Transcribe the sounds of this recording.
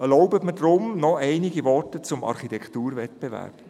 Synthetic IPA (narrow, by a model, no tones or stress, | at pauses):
ɛlɔʊbətmədɾʊmnɔʔɛɪniɡivɔrtət͡sʊmɑ̰ɾχitɛkχtuːɾvɛtb̥evæ̰ːɾb̥